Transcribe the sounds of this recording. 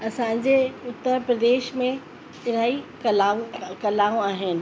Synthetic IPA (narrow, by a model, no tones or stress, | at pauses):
ɐsãɲ̆d͡ʑeʊt̪ːəɾpɾɐd̪eːʃmẽ | t͡ɕɪɾ̤aːikɐlaːõkɐlaːõaːɦɪnɪ̆